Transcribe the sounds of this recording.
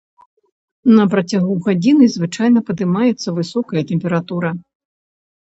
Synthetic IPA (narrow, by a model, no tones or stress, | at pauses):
nɐpɾɐt͡sʲaɣuɣad͡zʲinɨzvɨt͡ʂajnɐpɐd̪ɨmajɛt̪sːɐvɨsɔkɐjɐt̪ɛmpʲɛɾat̪uɾɐ